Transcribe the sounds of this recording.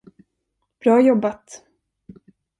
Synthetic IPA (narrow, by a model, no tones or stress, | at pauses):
b̥ɾɑːjɔbːat̪